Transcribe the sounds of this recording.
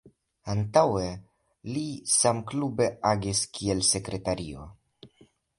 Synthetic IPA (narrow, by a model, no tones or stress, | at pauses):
antawe̞ | lisamklube̞aɡiskʰie̞lse̞kɾe̞taɾio̞̰